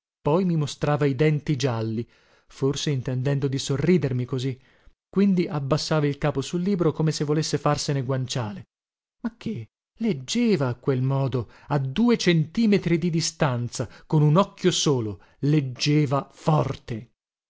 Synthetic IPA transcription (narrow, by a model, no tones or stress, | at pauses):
pɔjmimost̪ɾaːvaid̪ɛnt̪id͡ʒalːi | forseint̪end̪ɛnd̪od̪isorːiːd̪ermikozi | kːwind̪iʔabːasːaːvailkaːposulːiːbɾokomesevːolesːefarseneɡwant͡ʃaːle | mak̟ːe | led͡ʒːeːvaːkːwelmɔːd̪o | ad̪uːet͡ʃent̪iːmet̪ɾid̪id̪ist̪ant̪sakonunɔkːjosoːlo | led͡ʒːeːvafɔrt̪e